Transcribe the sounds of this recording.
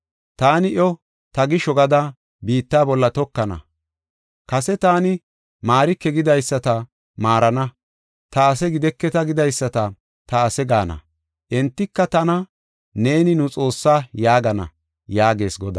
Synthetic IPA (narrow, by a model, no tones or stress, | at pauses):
t̪aːnɪʔɔ | t̪ɐɡɪʃɔɡɐd̪ɐ | biːt̪ːaːbɔlːɐt̪ɔkːɐnɐ̰ | kɐsɛt̪aːnɪ | maːɾɪkːɛɡɪd̪ɐjsːɐt̪ɐ | maːɾɐnɐ | t̪ɐːsɛɡɪd̪ɛkːɛt̪ɐɡɪd̪ɐjsːɐt̪ɐ | t̪ɐːsɛɡaːnɐ̰ | ʔɛnt̪ːɪkːɐt̪ɐnɐ | ne̞ːnɪnʊt͡sʼo̞ːsːaːjaːɡɐnɐ̰ | jaːɡe̞ːsɡɔd̪ɐ